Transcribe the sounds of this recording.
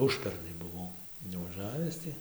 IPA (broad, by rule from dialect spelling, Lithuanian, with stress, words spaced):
ˈʊʃʲpʲɛrnɐɪ bʊˈʋɐʊ nʊʋɐˈʒɑːʋʲɪs tʲɪ